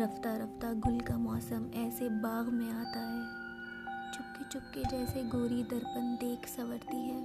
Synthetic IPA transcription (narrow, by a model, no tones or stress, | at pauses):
ɾɐft̪aɾɐft̪aɡʊlkamɔːsəmɛːsebaːɣmẽaːt̪aɦɛː | t͡ʃʊp̚ket͡ʃʊp̚ked͡ʒɛːseɡoːɾid̪ɐɾpənd̪eːkʰsɐʋəɽt̪iɦɛː